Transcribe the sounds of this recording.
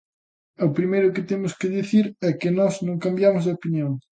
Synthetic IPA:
opɾimejɾʊkɪt̪emʊskɪðiθiɾɛkɪnɔznõŋkambjamʊzðɐopinjõŋ

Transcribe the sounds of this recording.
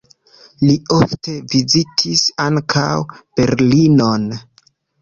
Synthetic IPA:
lio̞fte̞vizitʰisaŋkʰa̰wb̥e̞ɾlino̞n

